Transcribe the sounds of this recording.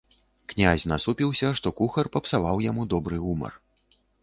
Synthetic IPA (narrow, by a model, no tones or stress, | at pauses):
knʲazʲnasupʲiwsʲɐʂt̪ɔkuxɐrpɐpsavawjamud̪ɔbɾɨɣumɐ̰r